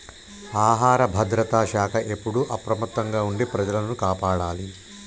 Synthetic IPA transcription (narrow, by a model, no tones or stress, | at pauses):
aːɦaːɾɐbʱɐd̪ɾɐt̪aːʃaːkʰɐʔe̞pːuɽuʔɐpɾɐmɐt̪ːɐŋɡaːuɳɖepɾɐd͡ʒɐlɐnukaːpaːɽaːli